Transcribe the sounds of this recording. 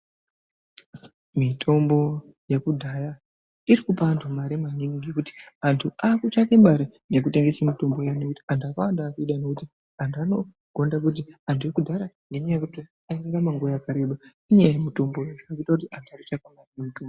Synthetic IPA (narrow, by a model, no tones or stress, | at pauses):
mitʰo̞mbo̞ | jekudʱaja | irikupaːntʰumaɾemaniŋɡɡikuti̥antʰuaːkut͡ʃakemɓaɾene̞k̬ute̞ŋɡesamito̞mbo̞janokuti̥antuakawandaːkuiɗanokuti | antʰano̞ | ɡ̥ʱo̞ndak̬ut̬iantʰujekudʱaɾaŋɡe̞ɲajekuti | aiŋɡamaŋɡojakaɾe̞ɓa | iɲajemito̞mbojeʐaakuitakutiʔantʰuaku̥t͡ʃakanamumutombo